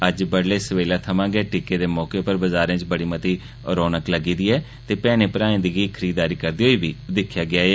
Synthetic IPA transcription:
əd͡ʒbəɽleːsəʋeːlaːt̪ʰəmãːɡɛːʈɪkeːd̪eːmɔːkeːʊpəɾbəzaːɾẽːt͡ʃbəɽiːmət̪iː | ɾoːnəkləɡiːd̪iːɛː | t̪eːpɛːnẽːpəɾaːnẽːd̪iːɡiːkʰəɾiːd̪aːɾiːkəɾd̪iːɦoːiːbiːd̪ɪkʰːjaːɡɪaːeː

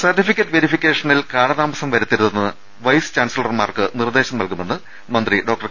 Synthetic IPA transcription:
sɐrʈːifikʲːɐʈːɨʋeɾifikʲːe̞ːʂɐnilkaːɽɐðaːmɐsɐmʋɐɾut̪ːiɾuðenːɨ | ʋɐjst͡ɕaːnsilɐrmaːrkɨnird̪e̞ːɕɐmɐlkume̞nːɨ | mɐnd̪riɖo̞ːkʈɐr

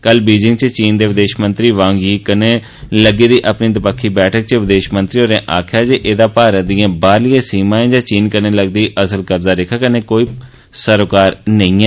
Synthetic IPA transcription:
kəlbiːd͡ʒɪŋɡt͡ʃət͡ʃiːnd̪eːʋɪd̪eːʃmə̃nt̪ɾiːʋãːŋɡiːkəneː | ləɡiːd̪iːʔəpniːd̪ɪpəkʰːiːbɛːʈʰək̚t͡ʃəʋɪd̪eːʃmənt̪ɾiːɦoːɾẽːʔaːkʰjaːd͡ʒeːʔeːd̪aːpaːɾəd̪ijãːbaːɾlɪjãːsiːmãːẽːd͡ʒãːt͡ʃiːnkəɾneːləɡd̪iːʔəsəlkəbzaːɾɪkʰːaːkənẽːkoːiː | səɾokaːɾnəĩːɛː

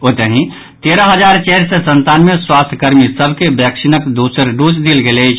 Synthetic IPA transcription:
ot̪əɦĩ | t̪eːɾəɦəd͡ʒaːɾt͡ʃɛɦɾsesə̃nt̪aːnmjeswaːst̪ʰkəɾmisəbʱkebjɛkʃɪnəkd̪usəɾɖud͡ʒd̪ilɡelet͡ʃʰ

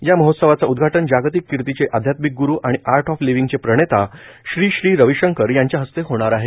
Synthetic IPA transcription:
jaməɦot̪səʋat͡saud̪ɡʱaʈənd͡ʑaɡt̪ikːiɾt̪it͡seʔad̪ʱjat̪mik̚ɡuɾuːʔaɽ̃iʔaɾʈʰɔfliʋiŋɡt͡sepɾəɽ̃et̪aɕɾiːɕɾiːɾəʋiɕəŋkəɾjaɲt͡ɕjaɦəst̪eɦoɽ̃aɾaɦe

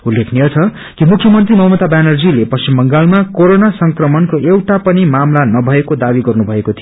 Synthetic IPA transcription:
ulːekʰnijʌt͡sʰʌ | kimukʰjʌmʌnt̪rimʌɦmʌt̪abanʌrd͡zilepʌst͡simbʌŋɡalmakoɾonasʌŋkrʌmʌnkoʔewʈapʌnimamlanʌbʱʌekod̪abiɡʌrnubʱʌekot̪ʰij

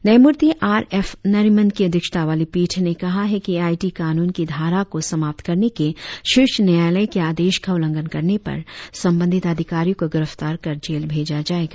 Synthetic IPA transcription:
nɛːmʊɾt̪iʔaːɾɛːfnɐɾimə̃nd̪̚kiɐd̪ʱjəkʃə̥t̪aʋaːlipiːʈʰnekɐɦaɦɛkiaːiʈikaːnuːnkid̪ʱaːɾakosɐmaːp̚t̪kɐɾnekeʃʊʃnɐjaːjləjkeaːd̪eːʃkʰɐʊlə̃ŋɡənkɐɾnepɐ̰ɾsɐ̃mbə̃nd̪ʱɪt̪əd̪ʱɪkaːɾijõkoɡɪɾəft̪aːɾkɐɾd͡ʒeːlbʱeːd͡ʒad͡ʒaːeːɡaː

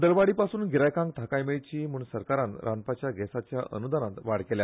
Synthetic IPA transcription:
d̪əɾʋaɽiːpasuːnɡiɾajkãŋɡ̚t̪ʰakajmeɭt͡ɕiːm̤uɳsəɾkaɾãnɾʔanpat͡ɕjaɡɛsat͡ɕjaʔə̰nud̪anat̪ʋaɽkelja

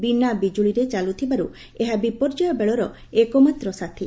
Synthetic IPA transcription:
binabid͡ʒuɭiɾet͡ʃalut̪ʰibaɾu | eɦabipɔɾd͡ʒɔjɔbeɭɔɾɔ | ekɔmat̪ɾɔsat̪ʰi

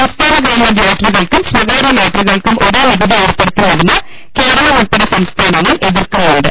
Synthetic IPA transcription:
ɐst̪ʰaːɾɐɡɐːmɐljaːʈriɣɐɭkumswɐɣɐːɾɐjaːʈriɣɐɭkumʔo̞ɾuʋibʱɐðiuːrpːeɽut̪ːinɐɽinːɐ | ke̞ːɾɐɭɐuɭpːɐɽɐsɐmst̪ʰaːnɐŋːɐɭʔe̞ðirkɐneːɖɨ̰

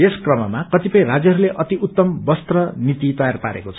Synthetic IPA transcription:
eskrʌmʌmakʌt̪ipʌĩrad͡zjʌɦʌɾuleʔʌt̪iʔut̪ːʌmbʌst̪rʌnit̪it̪ʌjarpaɾḛkot͡sʰʌ

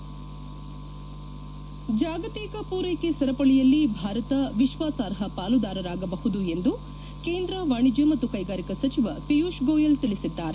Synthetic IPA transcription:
d͡ʒaːɡɐt̪iːkɐpuːɾeːkesɐɾɐpɐɭijɐlːibʱaːɾɐt̪ɐʋiʃʋaːsaːɾɦɐpaːlud̪aːɾɐɾaːɡɐbɐhud̪ue̞nd̪u | keːnd̪ɾɐʋaːɳid͡ʒɐmɐt̪ːukɐjɡaːɾikɐsɐt͡ʃiʋɐpijuːʃɡoːjɐlt̪ilisid̪ːaːɾe

